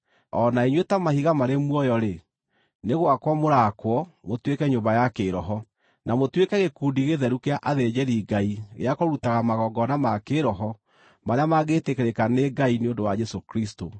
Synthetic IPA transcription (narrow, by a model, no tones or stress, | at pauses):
ɔnaiɲwetamahiɣamaɾemwɔjɔɾe | neɣwakwɔmoɾakwɔmotwekɛɲombajakeːɾɔɦɔ | namotwekɛɣekuːndiɣeðɛɾukeaʔaðed͡ʒɛɾiːɡaiɣḛakoɾutaɣamaɣɔɡɔnamakeɾɔɦɔ | maɾeamaɣetekeɾekaneɡaineondowad͡ʒɛsokɾisto